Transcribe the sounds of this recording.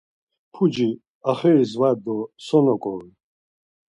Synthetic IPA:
pʰud͡ʒi | aχɛɾizwad̪ɔsɔnɔkʼɔwi

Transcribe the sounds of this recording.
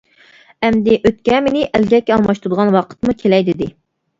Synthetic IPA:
ɛmd̪ɪʔøt̪̚kʲɛmenɪʔælɡʲɛkʲːɛɑlˠmɑʃt̪ud̪əʁɑnwɑqʰə̥t̪mukʲʰelɛjd̪ɪd̪ɪ

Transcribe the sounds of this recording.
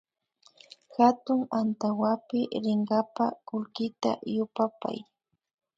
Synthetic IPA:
xat̪ʊŋant̪awapɪɾɪɴɢɑpakʊlkɪt̪a̰jʊpapa̰j

